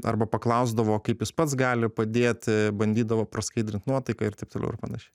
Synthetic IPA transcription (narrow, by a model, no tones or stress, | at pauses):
ɐ̰rbɐpɐklˠɐʊzd̪ɐʋoːkɐɪpjʊspɐt̪sɡɑːlʲɪpɐd̪ʲeːt̪ʲbɐnʲd̪ʲiːd̪ɐʋoːpɾɐskɐɪd̪ɾʲɪnt̪nuɔt̪ɐɪkɐːɪɾt̪ɐɪp̚t̪oːlʲɛ̰ʊɪɾpɑ̰ːnɐʃʲɛɪ